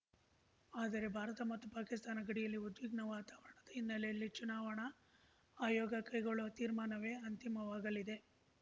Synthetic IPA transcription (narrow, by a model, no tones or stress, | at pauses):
aːd̪ɐɾe̞bʱaːɾɐt̪ɐmɐt̪ːupaːkist̪aːnɐɡɐɽijɐlːiud̪ʋiɡɳɐʋaːt̪aːʋɐɳɐd̪ɐinːɐlejɐlːit͡ʃunaːʋɐɳɐ | aːjɔːɡɐkɐjɡoɭɐʋɐt̪iːɾmaːnɐʋe̞ːɐnt̪imɐʋaːɡɐlid̪e̞